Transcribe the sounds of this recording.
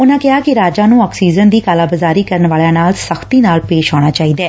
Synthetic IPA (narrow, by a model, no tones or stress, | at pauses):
ʊnãːkɪɦaːkɪɾaːd͡ʒãːnũːɔːksiːzənd̪iːkaːlaːbəzaːɾiːkəɾənʋaːljãːnaːlsəxʰt̪iːnaːlpeːʃɦaːɽ̃aːt͡ʃaːiːd̪ɛː